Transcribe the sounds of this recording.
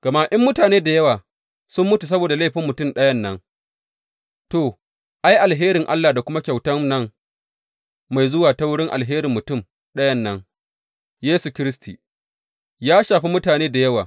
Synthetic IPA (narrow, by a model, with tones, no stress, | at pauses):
ɡ̥ɐ˨ma˦ʔɪ˦mːʊ˦taː˨neː˦da˨jɐ˦waː˨ | sʊ˦mːʊ˦tu˨s̬ɐ˦boː˨da˨la˦˨ɸɪ˦mːʊ˨tʊ˦˨mɗɐ˦jɐ˦nːɐ˦ŋ | to˨ | ʔa˦jʔa˨lɦeː˦ɾɪ˨ŋʔa̰˦lːaː˨da˨kʷʊ˦ma˦kʲa˨wtɐ˦nɐ˦ŋ | ma˨jzʊ˦waː˨ta˦wʊ˦ɽɪ˦ŋʔa̰˨lɦeː˦ɾɪ˨mːʊ˨tʊ˦˨m | ɗɐ˦jɐ˦nːɐ˦ŋ | jeː˦su˨kʲɪ˦ɾɪ˦sti˨ | jaː˦ʃaː˨ɸi˦mʊ˦taː˨neː˦da˨jɐ˦waː˨